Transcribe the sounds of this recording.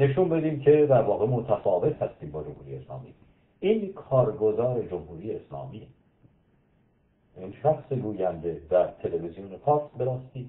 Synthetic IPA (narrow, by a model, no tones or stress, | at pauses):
ne̞ʃunbe̞d̪iːmcʰe̞d̪æɾvɒːɣe̞mot̪ʰæfɒːve̞t̪hæst̪iːmbɒːd͡ʒomhuːɾijeeslɒ̰ːmḭ | ʔinkʰɒːɾɡo̞zɒːɾe̞d͡ʒomhuːɾijeːslɒ̰ːmi | ʔinʃæxseɡuːjænd̪e̞d̪æɾt̪ʰe̞levizijonefɒːɾsbeɾæst̪iː